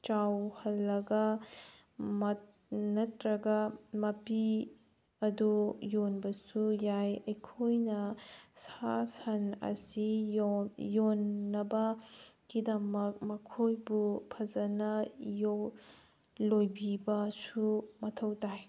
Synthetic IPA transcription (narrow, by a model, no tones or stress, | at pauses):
t͡ʃawhɐlːɐɡɐ | mɐt | nɐtɾɐɡɐmɐpi | ɐdujonbɐsujajɐjkʰojnɐsasɐnɐ̰si | jonːɐbɐkidɐmɐk̚mɐkʰojbupʰɐzɐnɐjo | lojbibɐsumɐtʰɐwtaj